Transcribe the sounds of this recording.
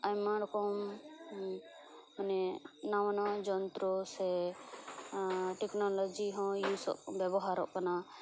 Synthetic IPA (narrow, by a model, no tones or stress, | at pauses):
ajmaɽkɔm | anɛnawanɔd͡ʒɔnt̪ɾɔsɛ | ʈɛknɔlɔd͡ʒiɦɔ̃jusɔ̰ʔbɛbɔɦaɾɔ̰ʔkana